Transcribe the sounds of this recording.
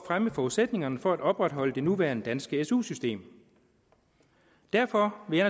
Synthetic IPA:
fʁaməfɒused̥ne̝ŋɐnəfɒ̽æd̥ɒ̽b̥ʁad̥ɦɒ̽l̰əd̥e̝nuʋæːɐnəd̥ænsɡ̥əesṵːsysd̥e̝̰ːm | d̥æɐfɒ̽ʋe̝æn

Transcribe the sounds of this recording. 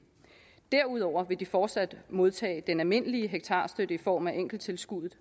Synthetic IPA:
d̥æɐ̰uð̞ˠɒʊ̰ɐʋe̝d̥ifɒːd̥sæd̥mo̝ð̞ˠt͡sʰɛ̰ːd̥enælme̝n̰əliəɦeɡ̥̚t͡sʰɑ̈ːsd̥ød̥əifɒ̰ːmæʔeŋ̰ɡ̥l̩t͡sʰe̝lsɡ̥uðˠð̩ˠ

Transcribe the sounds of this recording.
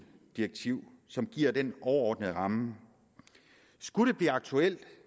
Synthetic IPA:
d̥ieɡ̥̚t͡sʰiʊ̰ | sɒ̽mɡ̥iɐ̰d̥enɒʊɐɒ̰ːd̥nəð̩ˠʁɑ̈mə | sɡ̥uɾ̥e̝b̥liːɑ̈ɡ̥̚t͡sʰuel̰d̥

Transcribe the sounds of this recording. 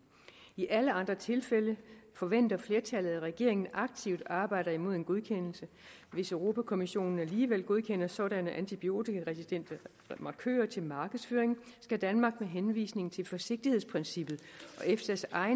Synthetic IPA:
iʔæləɑ̈nd̥ʁɐt͡sʰe̝lfeləfɒ̽ʋen̰d̥ɐfle̝ɐt͡sʰælð̩ˠæʁɛɡ̥e̝̰ɐ̰e̝ŋn̩ɑ̈ɡ̥̚t͡sʰiʊd̥ɑ̈ːb̥ɑ̈ɪ̰ɾ̥ɐimo̝ð̞̰ˠe̝nɡo̝ð̞ˠkʰen̰l̩sə | ʋe̝søʊʁo̝pʰækʰo̝miɕo̝̰ːnn̩æliːʋel̰ɡ̥o̝ð̞ˠkʰen̰ɐsɒ̽ɾænəʔænt͡sʰib̥io̝̰ːt͡sʰiɡ̥æʁɛsid̥en̰d̥ɐ | mɑ̈kʰø̰ːɐt͡sʰe̝lmɑ̈ːɡ̥əð̩ˠsføːɐeŋ | sɡ̥æd̥ænmɑ̈ːɡ̥meɦenʋḭːsne̝ŋn̩t͡sʰe̝lfɒ̽se̝ɡ̥̚d̥ihespʰʁɛnsib̥ð̞̩ˠɒ̽ʔefd̥æsɑ̈ɪ

